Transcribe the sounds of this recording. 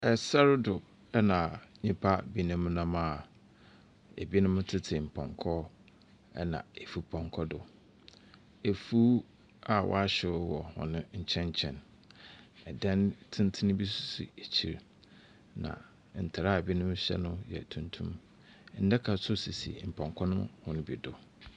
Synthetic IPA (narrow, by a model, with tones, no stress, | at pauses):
ɛ˨sɛ˦ɾɪ˦dʊ˨ | ɛ˦nã˨ɲĩ˦pʰa˦bi˦nʊ̃˦mnã˦ma˨ | ḛ˨bi˦nʊ̃˦m˦tʰɪ˦tʰɪ˨m̩˨pʰɔ̰̃˨ŋkʰɔ˦ | ɛ̰˦nã̰˨e˨fu˦pʰɔ̃˨ŋkʰɔ˦dʊ˨ | e˨fu˦ | a˨wʔɔ̰˦a˦ɕɪ˨˦wɔ˨hɔ̰̃˨nʊ̃˦ɲ̩˨t͡ɕʰɛ̃˦ɲ˦t͡ɕʰɛ̃˨n | ɛ˨dɛ̃˦ntʰɪ̃˦n˦tʰɪ˦nʊ̃˦bi˦su̥˨sṵ˨e˨t͡ɕʰi˨ɾ | nã̰˨ | n̩˨tʰɪ˨ɾa˦˨bi˦nʊ̃˦m˦ɕɛ̰˦nʊ̃˦jɛ̰˨tʰũ˨ntʰṵ̃˦m | n̩˦dɛ˦kʰa˨sʊ˦si˨sḭ˨m̩˨pʰɔ̃˨ŋkʰɔ˦nʊ̃˦mhʊ̃˦nʊ̃˦bḭ˨dʊ˨